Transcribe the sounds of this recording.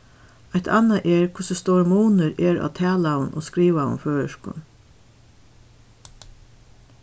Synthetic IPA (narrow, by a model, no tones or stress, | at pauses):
aɪt̪ʰanːaʔɛɹkʰʊsəst̪oːɹmuːnəɾɛːɹa̰t̪ʰæːlawənʔɔ̰skɾiːʋawə̰nføːəʃkʊ̰n